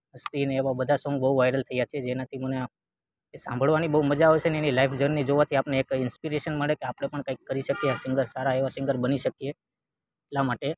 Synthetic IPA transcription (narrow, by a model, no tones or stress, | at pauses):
ɦəst̪ineːʋabəd̪ʱasɔ̃ŋɡ̚bəɦuʋajɾəlt̪ʰəjat͡ʃʰied͡ʒenat̪ʰiməne | sã̰mbʱəɭʋanibəɦuməd͡ʒaoet͡ʃʰeneenilaifd͡ʒəɾnːid͡ʒoʋat̪ʰiapneːkɪnspiɾeʃənməɭekeapɽ̃epəɳkaikːəɾiʃəkieasɪ̃ŋɡəɾsaɾaeʋasɪ̃ŋɡəɾbəniʃəkije | etlamaʈe